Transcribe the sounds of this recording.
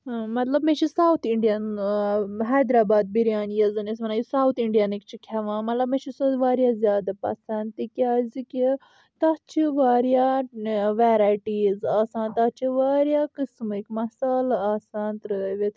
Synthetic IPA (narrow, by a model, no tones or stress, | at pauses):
mɐt̪lɐbmẽt͡ʃʰisaːwt̪ʰiɳɖijɐn | ɦɛːd̪ɾaːbaːd̪̚biɾjaːnjɐzɨnesmɐnaːjusaːwt̪ʰiɳɖijɐnikt͡ʃʰikʲʰɐʋãːmɐt̪lɐbmẽt͡ʃʰisɐʋaːɾjaːzʲjaːd̪apɐ̰sɐnt̪ikʲaːzikʲi | t̪ɐtt͡ʃʰiʋaːɾja | ʋeːɾaːjʈiːzaːsaːnt̪at͡ʃʰiʋaːɾjaːkɨsmɨkmɐsaːlaːsaːnt̪ɾɨʋit̪ʰ